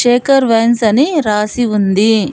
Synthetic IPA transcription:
ʃeːkɐɾʋensɐniɾaːsiund̪i

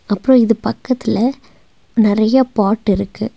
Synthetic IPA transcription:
ɐpːɯɾõɪðɯpɐkːɐt̪ːɪlɐ | nɪɾɐjɐpaːʈːɪɾɯkːɯ

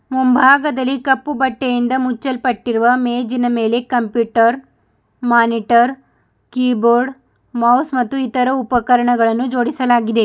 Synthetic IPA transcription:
mumbʱaːɡɐd̪ɐlːikɐpːubɐʈːejind̪ɐmut͡ʃːɐlpɐʈːiɾuʋɐmeːd͡ʒinɐme̞ːle̞kɐmpjuːʈɐɾ | maːniʈɐɾ | kiːboːɾɖ | mɐwsmɐt̪ːuit̪ɐɾɐupɐkɐɾɐɳɐɡɐɭɐnːud͡ʒo̞ːɽisɐlaːɡid̪e

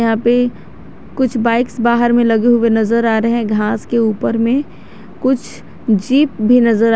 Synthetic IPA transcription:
ɦãːpe | kʊt͡ʃʰbaːɪksbaːɦəɾmẽlɐɡeɦʊwenɐzəɾaːɾeɦɦɛ̃ɡʱaːskeuːpəɾmẽ | kʊt͡ʃʰ | d͡ʒiːp̚bʱinɐzəɾa

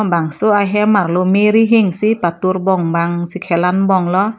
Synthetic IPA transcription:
baŋsoajɦɛmarlomeɾiɦiŋsipat̪urbɔŋbaŋsikʰɛlanbɔŋlɔ

